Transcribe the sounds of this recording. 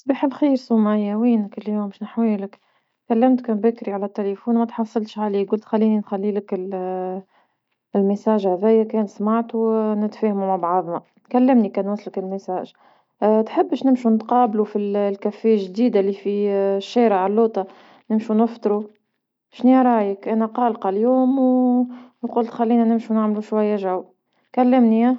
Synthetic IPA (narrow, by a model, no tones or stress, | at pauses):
sˤbiːħalxiːɾsuːmajːæwiːnkɪlːjoːmʃnɪħwiːlɪk | kælːæmt̪kbækɾiʕalæt̪ːelefuːnmæt̪ħɑsˤːɑlʃʕaliːɡʊlt̪xælːiːninxælːiːlɪkɪl | lmɪsæːʒhæðæjːækɛːnsmaʕt̪unɪt̪fæːhmumaʕbʕɑðˤna | kælːɪmnikæːnwæslɪkɪlmɪsæːʒ | t̪ħəbːəʃnɪmʃunt̪qɑːblufillkæfːejæʒd̪iːd̪alifiʃːæːɾəʕalːoːt̪ˤɑ | nɪmʃunəft̪ˤɾu | ʃniːɾˤɑːjəkʔænæqɑːlqɑljuːmw | qʊlt̪xælːiːnænɪmʃunaʕmluʃwajːaʒaw | kælːɪmniæ